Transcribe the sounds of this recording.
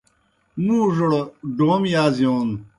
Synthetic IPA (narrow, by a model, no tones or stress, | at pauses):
mũːʐoɽɖoːmjaːzijoːn